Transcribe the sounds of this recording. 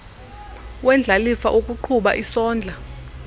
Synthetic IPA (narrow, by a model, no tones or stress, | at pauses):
wɛnd͡ɮʱalifaʔok̬ʼuǃʰuɓa̰ʔisɔːnd͡ɮʱa